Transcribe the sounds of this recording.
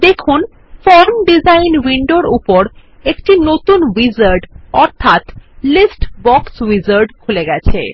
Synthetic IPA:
d̪ekʰun | fɔɾmɖid͡ʑajnwiɳɖoɾupoɾ | ekʈinot̪unwid͡ʑaɾɖɔɾt̪ʰat̪lisʈbɔkswid͡ʑaɾɖkʰuleɡɛt͡ɕʰḛ

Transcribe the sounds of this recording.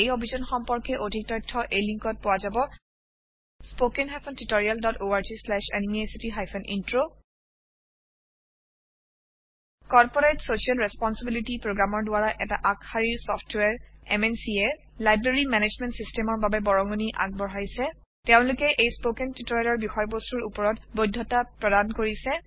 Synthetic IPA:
ejobʱizɔnxɔmpɔɹkɛʔodʱik̚tɔjtʰːɔʔejliŋkɔt̚pʊwazabɔ | spokɛnxapʰɔntutoɹialdɔtoaɹd͡ʒislɛʃenimiesitiɦajpʰɔnḭntɹo | kɔɹpɔɹetsosialɹɛspɔnsibilitipɹoɡɹamɔɹdʊaɹaʔɛtaʔakxaɹiɹsɔfʰtwɛɹɛ̰mɛnsiɛ | lajbɹeɹimɛned͡ʒmɛntsistɛmɔɹbabɛbɔɹɔŋɔniʔa̰k̚bɔɹɦajsɛ | teʊ̃lʊkɛʔejspokɛntitoɹialɔɹbixɔjbostuɹupɔɹɔtbojdʱːɔtapɹɔdankoɹisɛ

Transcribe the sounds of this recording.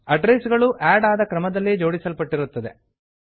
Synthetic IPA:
ɐɖɾesɡɐɭuʔaːɖaːd̪ɐkɾɐmɐd̪ɐlːid͡ʒo̞ːɽisɐlpɐʈːiɾut̪ːɐd̪e̞̰

